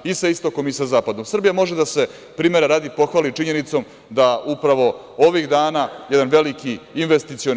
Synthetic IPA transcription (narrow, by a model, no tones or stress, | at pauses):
isaist̪o̞ko̞misazaːpad̪o̞msr̩bijamo̞ʒed̪ase̞ | pɾiːme̞ɾaɾaːd̪ipo̞xʋaːlit͡ʃiɲe̞nit̪so̞m | d̪aʔupɾaʋo̞ | o̞ʋiɣd̪aːnajed̪anʋe̞likiːnʋest̪it̪sio